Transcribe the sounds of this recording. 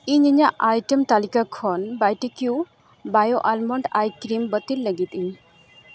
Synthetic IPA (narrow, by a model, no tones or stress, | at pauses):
iɲiɲaʔajʈəmt̪alikakʰɔnbajʈikju | bajoʔalmɔɳɖajkɾimbət̪illəɡit̪iɲ